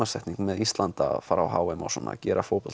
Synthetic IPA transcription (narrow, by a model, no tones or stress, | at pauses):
asɛht̪niŋkmɛðist̪lant̪a̰faɾawɦaːwɛma̰wsɔna̰cɛːɾafowpɔl